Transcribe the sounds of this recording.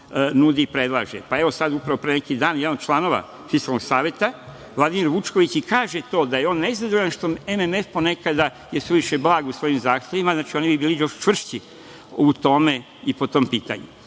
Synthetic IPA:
nuːd̪iːpɾed̪lˠa̰ːʒḛpae̞ʋo̞sad̪upɾaʋo̞pɾenekid̪aːnjd̪anot͡ʃlˠano̞ʋa̰ | fiskalno̞ɡsaːʋjet̪a | ʋlˠad̪imiɾʋut͡ʃko̞ʋit͡ɕikaːʒet̪o̞ːd̪ajeo̞ːnːeizad̪ooʎanʃt̪o̞ememe̞fpo̞ne̞kad̪a | jesʋeʋiʃeblˠaːɡusʋo̞jimzaːxt̪ʲje̞ʋimaznaːt͡ʃio̞nibibiːlijo̞ʃt͡ʃʋr̩ʃt͡ɕi | ut̪o̞me̞ | ipo̞t̪o̞ːmpiːt̪a̰ɲṵ

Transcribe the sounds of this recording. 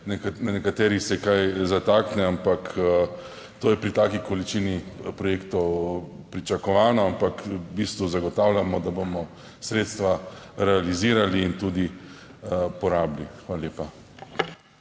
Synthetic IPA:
nknanɛkat̪ɛːɾixsɛkajzat̪aːknɛampak | t̪oːjɛpɾit̪aːkikɔlit͡ʃinipɾɔjeːkt̪ɔw | pɾit͡ʃakɔʋaːnɔampakbiːst̪ʋuzaɡɔt̪aːwlʲjamɔd̪abomɔ | sɾeːt̪st̪ʋaɾɛaliziːɾaliːnt̪uːd̪i | pɔɾaːblixʋaːlaljeːpa

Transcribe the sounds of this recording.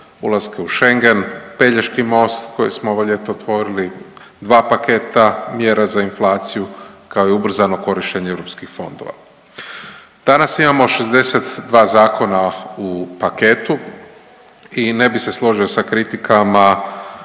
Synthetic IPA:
ṵlˠaskeuʃe̞ŋɡe̞npe̞ʎeʃkimo̞st̪ko̞jesmooʋoʎe̞t̪oot̪ʋo̞ɾili | d̪ʋaːpake̞ːt̪amjeɾazainflˠaːt̪sijukaoiubr̩zano̞ko̞ɾiʃt͡ʃeɲeevɾopskixfo̞̰nd̪o̞̰ʋa̰ | d̪̥anasimamo̞ʃe̞zd̪e̞se̞t̪d̪ʋaːzaːko̞naupake̞ːt̪u | ine̞bise̞slˠo̞ʒio̞sakɾit̪ikʰama

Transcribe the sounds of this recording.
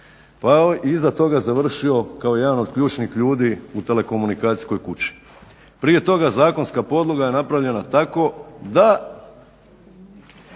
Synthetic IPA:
paiizat̪o̞ɡazaʋr̩ʃio̞kaoje̞d̪ano̞d̪kʎuːt͡ʃnixʎuːd̪iut̪e̞le̞ko̞munikaːt̪i̥sko̞jkut͡ɕi̥ | pɾije̞t̪o̞ɡazaːko̞nskapo̞d̪lˠoɡaje̞napɾaʋʎe̞nat̪ako̞d̪a

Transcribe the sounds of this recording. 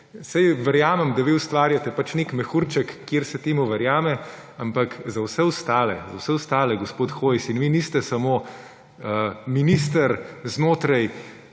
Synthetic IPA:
sɛjʋɛɾjaːmɛmd̪ɐʋiust̪ʋaːɾjat̪ɛpat͡ʃnekmɛxuɾt͡ʃɛkːjeɾsɛt̪eːmuʋɛɾjaːmɛ | ampakzɐwsɛust̪aːlɛ̰zɐwsɛust̪aːlɛɡɔspoːt̪xoːjsinʋinist̪ɛsɐmoː | əminist̪əɾznoːt̪ɾaj

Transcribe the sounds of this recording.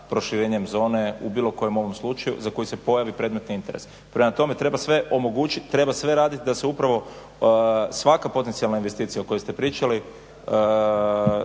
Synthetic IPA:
pɾo̞ʃiɾeːɲe̞mzo̞ːne̞ubiːlo̞ko̞je̞mo̞ʋo̞mslˠut͡ʃajṵzako̞jise̞po̞jaʋipɾe̞d̪me̞t̪niint̪e̞ɾes | pɾe̞mat̪o̞me̞t̪ɾe̞basʋe̞ʔo̞mo̞ɡut͡ʃiːɾe̞basʋe̞ɾaːd̪it̪id̪aseupɾaʋo̞ | sʋakapo̞t̪ent̪sijalnainʋe̞st̪iːt̪sijaoko̞jest̪e̞pɾiːt͡ʃali

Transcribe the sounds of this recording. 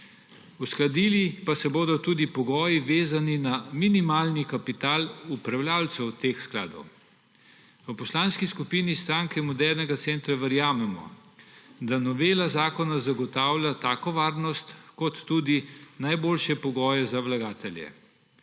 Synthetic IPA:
usklad̪iːlipasɛboːd̪ɔt̪uːd̪ipɔɡɔːjiʋeːzaninaminimaːlnikapit̪aːlupɾawljaːlt̪sɛwt̪eːxskla̰ːd̪ɔ̰w | əpɔslaːnskiskupinist̪ɾaːŋkɛmɔd̪ɛɾnɛɡat̪sent̪ɾaʋəɾjaːmɛmɔ̰ | d̪anɔʋeːlazaːkɔnazaɡɔt̪aːwlʲjat̪aːkɔʋaːɾnɔst̪kɔt̪ːuːd̪inajboːlʃjɛpɔɡɔːjɛzawlaɡaːt̪ɛlʲjɛ̰

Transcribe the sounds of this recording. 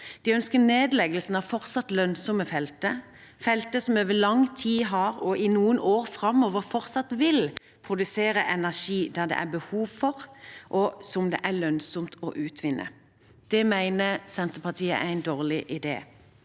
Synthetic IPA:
d̪̥ɪœnskəneːd̪lɛɡəlsn̩ɑʋfɔʁt̪sɑt̪lœnsɔməfɛlt̪ə | fɛlt̪əsɔmøːʋəlɑŋt̪ʰiːɦɑɾɔʔɪnuːənʔoːʁfɾɑmːoːʋəʁfɔɾt̪sɑt̪ʋɪl | pʰʁʊd̪ʉseːɾəʔɛnæʁʂiːd̪æʁd̪ɛ̰ʔæ̰bəhuːʋfɔʁʔɔsɔmd̪ɛ̰ʔælœnsɔmt̪ʰɔ̰ʔʉːt̪ʰʋɪnːʔə̰ | d̪̥ɛmæɪnəsɛnt̪əpɑt̪ʰiːə̰ʔæ̰ɪnd̪oːʁlɪʔɪd̪ḛː

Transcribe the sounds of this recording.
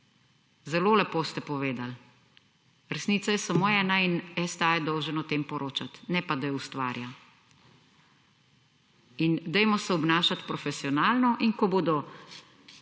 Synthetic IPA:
zɛloːlɛpoːst̪ɛpɔʋeːd̪al | ɾɛsniːt̪sajɛsamoːɛːnainɛst̪ajɛd̪ɔwʒənɔt̪eːmpɔɾʔoːt͡ʃat̪nɛpad̪ajɛust̪ʋa̰ːɾja | ind̪ɛjmɔsɛɔbnaːʃat̪pɾɔfɛsiɔnaːlnɔʔiŋkɔboːd̪ɔ

